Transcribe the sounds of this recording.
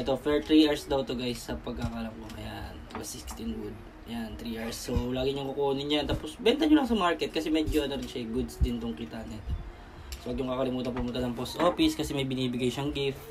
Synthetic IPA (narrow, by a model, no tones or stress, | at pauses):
ʔɛt̪o̞fɛɹt̪ɾiʔɛɹsd̪ɐwt̪oɡajsːɐpɐɡ̚kakaːlɐmkoŋɐja̰nwɐsɪkst̪ɪnwʊd̪̚ | jant̪ɾiːʔaɹsːolaːɡɪɲʊŋkokoːnɪɲɐjant̪aːposbɛnt̪ɐɲʊlɐŋsɐmaɹkɛt̪̚kɐsɛmɛd͡ʒoʔɐnɐɾɪnʃɐjɡʊd̪sd̪ɪnt̪oŋkit̪anɛt̪ | sopɐɡ̚ɲʊŋkakɐlɪmuːt̪ɐpoʔmʊlkɐnɐŋpost̪ʔoːfɪskɐsɛmɐjbɪniːbɪɡɐjʃɐŋɡif